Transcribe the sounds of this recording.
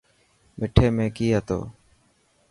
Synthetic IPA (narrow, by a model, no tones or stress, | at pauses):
mɪʈʰeːmẽːkiːɦət̪o̰ː